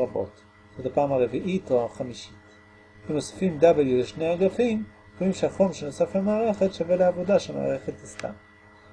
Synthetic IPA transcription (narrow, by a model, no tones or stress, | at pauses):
abo̞̰t | zotapaːmhaʁeviʔitoaχamiʃi̥t | emosḁfimd̪abeljuleʃnejaɡafim | dmimʃeaχomʃeno̞saflemaːʁe̞χe̞tʃaveleavo̞daʃelma̰ːʁe̞χet̪asta̰m